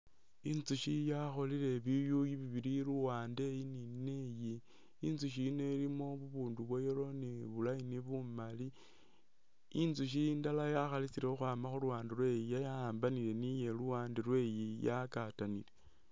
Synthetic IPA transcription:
inzuʃijaxo̞lile̞βijujiβiβiɾiluwaːnde̞jininejiː | nzuʃ̬inelimo̞βuβuːnduβwejelo̞niβulainiβumali | inzuʃ̬indalajaxalisiɾexoxwaːmaxuluwaːndilwe̞jijajaaːmbanile̞nije̞luwaːndelwe̞jijakatanile

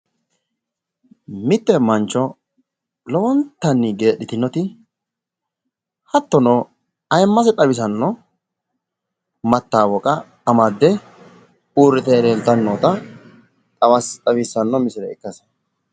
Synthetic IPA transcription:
mɪt̪ːɛmɐnt͡ʃːɔ | lɔwɔnt̪ːɐnːɪɡe̞ːɗːɪt̪ɪnːɔt̪ɪ | hɐt̪ːɔnɔ | ɐjɛmːɐsɛt̪ʼɐbɪs̬ɐnːɔ | mɐt̪ːaːwɔkʼɐː | mɐd̪ːɛ | uːɾːɪt̪ɛɾeːnt̪ːɐnːot̪ɐ | t̪ʼɐwɐst̪ʼɐβisːɐnːɔmɪsɪlɛɪkːɐs

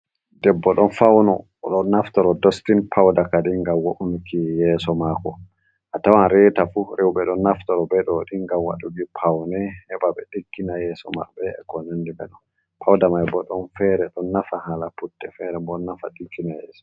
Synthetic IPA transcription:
dɛbːɔɗɔnfawnɔ | ɗɔnːaftɔɾɔdɔstinpʰawdakaɗiŋɡamwoʔunukʰijɛsɔmakɔ | ʔatawanɾɛtafuɾewɓɛɗɔnːaftɔɾɔbɛɗɔɗiŋɡamwa̰ɗuɡipʰawnɛhɛɓaɓɛɗikːinajɛːsɔ̰ma̰bɛɛkɔnandibɛ̰ɗɔn | pʰawdamajbɔɗɔnfɛɾɛɗɔnːafahalaputːɛfɛɾɛmbɔnːafaɗikːinajɛːsɔ̥

